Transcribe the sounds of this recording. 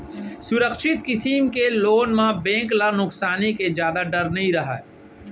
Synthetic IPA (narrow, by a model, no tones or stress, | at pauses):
sʊɾəkʃɪt̪̚kɪsiːmkeloːnmãbẽːŋklanʊksaːniked͡ʒjaːd̪aɖɐɾnɐɦĩɾɐɦa̰